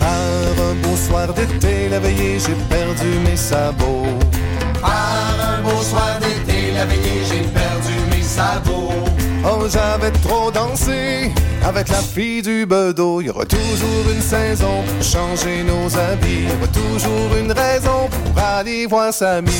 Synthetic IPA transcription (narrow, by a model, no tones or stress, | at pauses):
pa | ʁɛ̃boswaʁd̪et̪elavɛjeʒepɛʁd̪ymesabo | pa | ʁɛ̃boswaʁd̪et̪elavejeʒepɛʁd̪ymesaboɔʒavɛt̪ʁod̪ɑ̃se | avɛklafijd̪ybəd̪oiɔ̰ʁɛ̰t̪uʒuːʁynsɛzɔ̃puʁʃɑ̃ʒenozavijɔʁɛt̪uʒuʁynʁɛzɔ̃puʁalevwaːʁsami